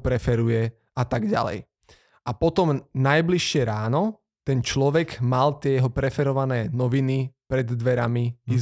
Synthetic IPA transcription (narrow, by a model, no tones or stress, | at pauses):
pɾɛfɛɾujɛ | at̪aɡɟa̰lɛ̰j | ʔapɔt̪ɔmnajbliʃːɪɛɾaːnɔ | t̪ɛnt͡ʃlɔʋɛɡmalt̪ɪɛjɛɦɔpɾɛfɛɾɔʋanɛːnɔʋinipɾɛd̪d̪ʋɛɾamiiz